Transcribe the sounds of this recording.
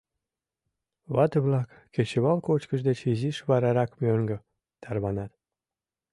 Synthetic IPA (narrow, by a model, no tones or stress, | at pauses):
βɑt̪əβlɑkːet͡ɕeβɑlkot͡ɕkəʃd̪et͡ɕiziʃβɑɾɑɾɑkmøŋɡə̆ | t̪ʰɑrβɑnɑt̪